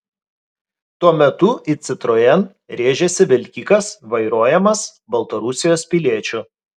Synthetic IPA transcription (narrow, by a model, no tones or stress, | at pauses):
t̪uɔmʲɛt̪ʊʔiːt̪sʲɪt̪ɾoːjɛn | ɾʲeːʒʲɛsʲɪʋʲɛlʲkʲiːkɐsʋɐɪɾoːjɛmɐsbɐlˠt̪ɐɾʊsʲɪjoːspʲɪlʲiɛt͡ʃʲʊ